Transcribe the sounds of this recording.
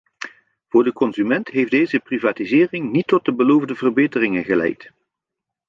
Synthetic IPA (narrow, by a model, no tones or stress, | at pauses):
v̥ʊːɹdəkɔnzymɛntɦejfdejzəprivaːtizɪːrɪŋnitːɔt̚dəbəlowvdəvərbejtərɪŋənɣəlɛ̰jt